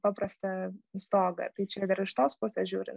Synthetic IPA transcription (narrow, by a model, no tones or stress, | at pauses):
pɐpɾɐst̪ɐst̪oːɡɐ̰t̪ɐɪt͡ʃʲɛd̪ɐɾɪʃt̪oːspuɔsʲɛʒʲuːɾʲɪ